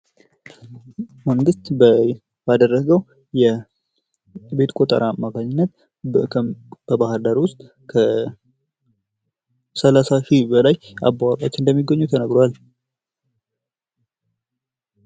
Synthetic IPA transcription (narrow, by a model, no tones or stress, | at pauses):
məŋɡɨst̪b | bad̪ərːəɡəw | jɛ | be̞t̪kʼot̪ʼə̰ɾaːmːakʰaɲːɪnːət̪ʰ | b̥əbahɨɾd̪aɾwʊst̪ʼ | kʰə | səlasaʃibəlaja̰bːawakʼat͡ʃːɪnd̪əmːiɡːəɲːut̪ʰənəɡɾoal